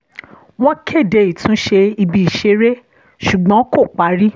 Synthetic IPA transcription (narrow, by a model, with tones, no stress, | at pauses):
w̃ɔ̃˦kʰe˦˨de˧˦i˨tʰũ˨˦ʃe˧i˧bi˦˧i˨ʃe˧ɾe˦ | ʃu˨ɡ͡bɔ̃˨˦ko˦˨k͡pa˨˦ɾi˦